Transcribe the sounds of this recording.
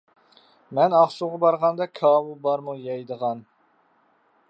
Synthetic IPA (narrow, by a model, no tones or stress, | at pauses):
mɛnɑχʃuʁɑbɑɾʁɑnd̪ɑkʰɑːbulˠbɑɾmujɑjd̪əʁɑn